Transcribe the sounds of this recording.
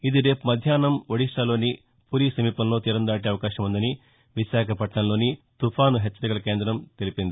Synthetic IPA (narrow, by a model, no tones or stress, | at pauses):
id̪iɾe̞ːpmɐd̪ʱjaːnɐmʋɐɽiʂlaːlo̞ːni | puːɾiːsɐmiːpɐmlo̞ːt̪iːɾɐnd̪aːʈ̬iɐʋɐkaːʃɐmund̪ɐni | ʋiʃaːkʰɐpɐʈɳɐmlo̞ːnit̪upʰaːnuɦet͡ʃːɐɾikɐlɐkeːnd̪ɾɐmt̪e̞lipind̪i